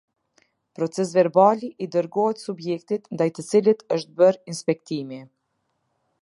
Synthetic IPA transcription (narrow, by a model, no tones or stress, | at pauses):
pɾɔt͡sɛs̬vɛɾbaliʔid̪əɾɡɔɦɛt̪subjɛkt̪it̪nd̪ajt̪ət͡silit̪əʃt̪̚bəɾinspɛkt̪imi